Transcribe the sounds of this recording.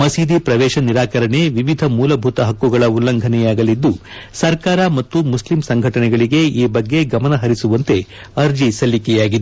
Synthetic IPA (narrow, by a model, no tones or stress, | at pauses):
mɐsiːd̪ipɾɐʋɛːʃɐniɾaːkɐɾɐɳeʋiʋid̪ʱɐmuːlɐbʱut̪ɐɦɐkːuɡɐɭɐulːɐŋɡʱɐnɛjaːɡɐlid̪ːusɐɾkaːɾɐmɐt̪ːumuslimsɐŋɡʱɐʈɐnɛɡɐɭiɡe̞iːbɐɡːe̞ɡɐmɐnɐɦɐɾisuʋɐnt̪e̞ | ɐɾd͡ʒisɐlːikɛjaːɡid̪ee